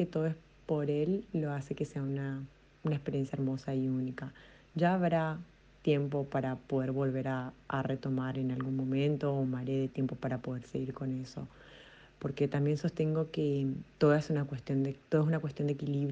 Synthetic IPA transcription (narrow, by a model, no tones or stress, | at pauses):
ket̪oðoes | po̞ɾe̞lːoase̞keseauna | unaespeɾje̞nsjaeɾmo̞saiunika | ʒaːβɾa | t̪je̞mpo̞paɾapo̞ðeɾβo̞lβe̞ɾaːre̞t̪o̞maɾe̞nalɣunmõ̞mẽ̞nt̪o̞ːmaɾeðet̪je̞mpo̞paɾapo̞ðe̞ɾseɣiɾko̞ne̞so̞̰ | po̞ɾket̪ambje̞nso̞st̪e̞ŋɡo̞ket̪o̞ðaesunakwest̪jo̞nd̪et̪oðes̬unakwest̪jo̞nd̪ekiliβ